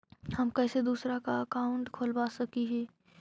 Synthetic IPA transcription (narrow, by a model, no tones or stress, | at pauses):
hɐmkɛːsed̪uːsɾakaɐkaːʊ̃ɳʈkʰoːlbaːsɐkiɦɛː